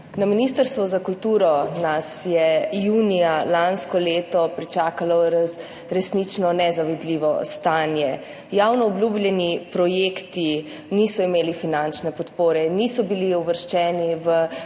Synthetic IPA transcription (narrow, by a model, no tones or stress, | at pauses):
naminist̪əɾst̪ʋɔzakult̪uːɾɔnasjɛjuːnijalanskɔleːt̪ɔpɾit͡ʃaːkalɔ | ɾɛsnit͡ʃnɔnɛzaʋɛd̪liːʋɔ̰st̪anjɛ | jawnɔːblʲjublʲjɛnipɾɔjeːkt̪i | nisɔimeːlifinant͡ʃnɛpɔt̪poːɾɛnisɔbiliuʋəɾʃt͡ʃɛːniʋə